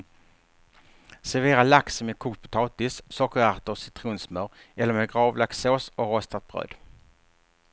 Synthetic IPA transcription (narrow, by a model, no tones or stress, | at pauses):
sɛveːɾalaksɔmɛkʰuːt̪̚pʰʊ̥t̪ʰɑːt̪ɪssɔkːəɾaʁt̪əsɪt̪ʰɾuːnsmœːɾɛlːəɾmɛːɡɾɑːvlak̪soːsɔɾɔst̪at̪̚b̥ʁø̰ːd̪